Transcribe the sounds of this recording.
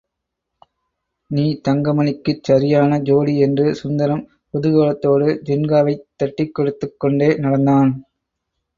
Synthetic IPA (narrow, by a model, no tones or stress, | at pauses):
niːt̪ɐŋɡɐmɐnɪkːɯt͡ʃːɐɾɪjaːnɐd͡ʒoːɽiɛndrɯsʊnd̪ɐɾɐm | pɔðɯɣɐːlɐt̪ːoːɽɯd͡ʒɛnɡaːʋɐɪt̪ːɐʈːɪkːɔɽɯt̪ːɯkːɔɳɖeːnɐɽɐnd̪aːn